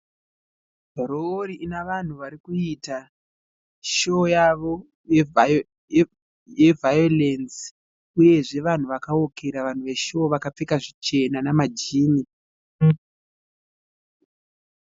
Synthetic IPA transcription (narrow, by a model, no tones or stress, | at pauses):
bʱoɾooɾiʔinaʋan̤uʋaɾikuita | ʃojaʋo̞ | j | je̞vajo̞lensi̥ | uje̞ʐe̞ʋan̤uʋakaokeɾaʋan̤uʋe̞ʃoːʋakap͡fekaʐit͡ʃe̞nanamad͡ʒiːni